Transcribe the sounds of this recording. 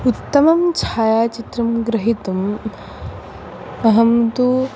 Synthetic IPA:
ut̪ːɐmɐmt͡ʃʰaːjaːt͡ʃit̪ɾɐmɡɾɐɦit̪um | ɐɦɐmt̪u

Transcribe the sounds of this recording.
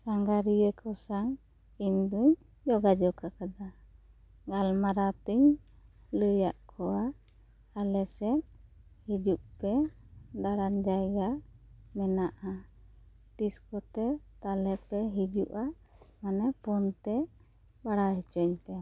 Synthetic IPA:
saŋɡaɾijəkʰɔsaŋ | iɲd̪uɲ | d͡ʒɔɡad͡ʒɔkakad̪a | ɡalmaɾat̪iɲ | ləjaʔkʰɔa | alɛsɛt̪̚hid͡ʒuʔpɛd̪aɽaɲd͡ʒajɡamɛnaʔa | t̪iskɔt̪ɛt̪alɛpɛɦid͡ʒuʔa | manɛpɔnt̪ɛ | baɽaɦɛt͡ʃɔɲpɛ

